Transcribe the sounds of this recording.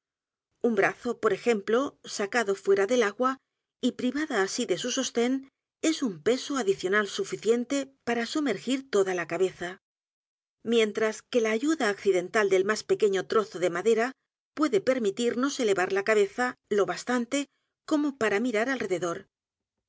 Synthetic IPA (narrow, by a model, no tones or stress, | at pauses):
umbɾaθo̞po̞ɾe̞xe̞mplo̞sakaðo̞fweɾaðe̞laɣwa | ipɾiβaðaːsiðe̞suso̞st̪e̞n | e̞sumpe̞soaðiθjo̞nalsufiθje̞nt̪e̞paɾasume̞ɾxiɾt̪o̞ðalakaβe̞θa | mjẽ̞nt̪ɾaske̞laːʝuðaːkθiðe̞nt̪ald̪e̞lmaspe̞ke̞ɲo̞t̪ɾo̞θo̞ðe̞maðe̞ɾa | pwe̞ðe̞pe̞ɾmit̪iɾno̞se̞le̞βaɾlakaβ̞e̞θalo̞βast̪ant̪e̞ | ko̞mo̞paɾamiɾaɾalre̞ðe̞ðo̞ɾ